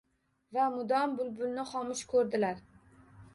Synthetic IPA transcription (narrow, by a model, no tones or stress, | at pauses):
vamʊd̪ɒmbʊlbʊlnɪχɒmɪʃkʰɵɾd̪ɪlaɾ